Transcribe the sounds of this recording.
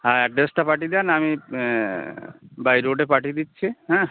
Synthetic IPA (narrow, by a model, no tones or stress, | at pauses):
ɦãɛɖɾesʈapaʈid̪ɛnami | bajɾoɖepaʈid̪itːɕʰiɦɛ̃